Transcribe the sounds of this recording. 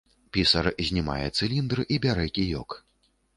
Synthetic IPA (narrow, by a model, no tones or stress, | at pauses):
pʲisɐrzʲnʲima̰jɛt̪sɨlʲind̪ɾɨʔibʲaɾɛkʲijɔ̰k